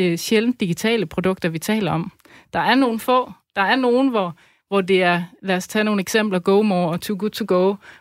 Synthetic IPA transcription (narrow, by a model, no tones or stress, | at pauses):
ɕeln̩d̥iɡ̥it͡sʰɛ̰ːləpʰʁo̝d̥ɔ̽ɡ̥̚d̥ɐʋit͡sʰɛ̰ːlɐɒ̽m | d̥ɑ̈æɐno̝ːn̩fɔ̰̽ːd̥ɑ̈æɐno̝ːn̩ʋɒ | ʋɒde̝æɐlæɐst͡sʰɛːno̝ːn̩eɡ̥sem̰b̥lɐɡ̥oʊmɒːɒ̽t͡sʰuɡud̥ˠt͡sʰoɡ̥oʊ